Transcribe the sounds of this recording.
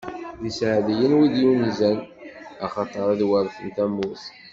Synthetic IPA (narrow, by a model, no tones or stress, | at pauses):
ðisʕðijənwiðjunizænɑχɑt̪ˤəɾˤæðwəɾˤθənt̪æmːuθ